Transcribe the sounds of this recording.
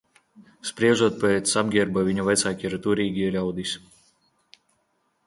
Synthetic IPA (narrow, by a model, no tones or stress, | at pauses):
spɾiɛʒuɔt̪̚pɛt̪sabɡʲiɛɾbavʲiɲuvajt̪saːkʲiiɾt̪uɾiːɡʲiɛlʲawd̪is